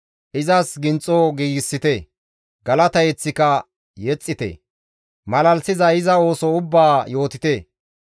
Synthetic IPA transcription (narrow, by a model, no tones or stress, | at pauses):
ʔɪzɐsɡɪnt͡sʼːoɡiːɡɪsːɪt̪e | ɡɐlɐt̪ɐjɛt͡sːɪkɐ | jɛt͡sʼːɪt̪ḛ | mɐlɐlsɪzɐɪzɐo̞ːsɔʊbːaːjo̞ːt̪ɪt̪eː